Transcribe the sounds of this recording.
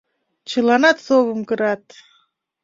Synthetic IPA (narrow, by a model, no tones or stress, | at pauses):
t͡ɕəlˠɑnɑt̪soβɤmkɤ̆ɾɑt̪̚